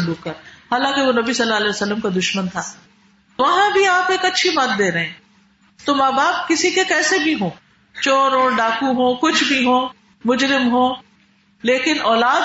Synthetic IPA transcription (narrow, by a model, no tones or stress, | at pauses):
luːkːɐɾhaːlãːkeʋonɐbisɐlːaːɐlɛːʋəsəlːəmkad̪ʊʃmənt̪ʰaː | ʋɐɦãbʱiaːpeːkɐtːʃʰimɐt̪̚d̪eːɾɐɦẽː | t̪omaːbaːb̚kɪsikekɛːsebʱiɦõː | t͡ʃoːɾɦõːɖaːkũɦõːkʊt͡ʃʰbʱiɦõː | mʊd͡ʒɾɪmɦõː | leːkɪnʔɔːlaːd̪